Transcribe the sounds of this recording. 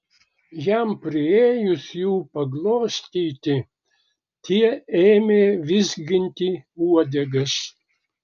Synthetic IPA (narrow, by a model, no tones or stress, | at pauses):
jæmpʲɾʲɪeːjʊsjuːpɐɡlˠoːsʲt̪ʲiːt̪ʲɪ | t̪ʲʰiɛeːmʲeːʋʲɪzʲɡʲɪnʲt̪ʲiːuɔd̪ʲɛɡɐs